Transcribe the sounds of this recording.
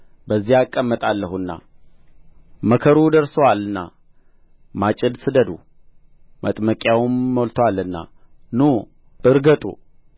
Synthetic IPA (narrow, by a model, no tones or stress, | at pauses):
bəzːihakʼːəmːət̪ʼalːəhunːa̰ | məkʰəɾud̪əɾsəwalɨnːa̰ | mat͡ʃʼɪd̪sɨd̪əd̪u | mə̰t̪ʼməkʼjawmːolt̪ʰowalɨnːa̰ | nu | ɨɾɡət̪ʼṵ